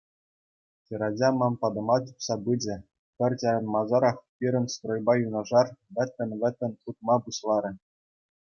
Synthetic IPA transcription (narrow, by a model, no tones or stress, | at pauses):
t͡ɕʲɘ̆ɾɑd͡ʑɑmɑmpɑd̪ɤ̆mɑtʲu̥psɑbɯd͡ʑɘ̆ | pʲɘ̆rʲt͡ɕɑɾɤnmɑzɑɾɑχpʲiɾʲɘ̆nst̪rojbɑjunɑʐɑrʋʲɘ̆t̪ʲːɘ̆nʋʲɘ̆t̪ʲːɘ̆nχut̪̚mɑbuɕlˠɑɾʲɘ̆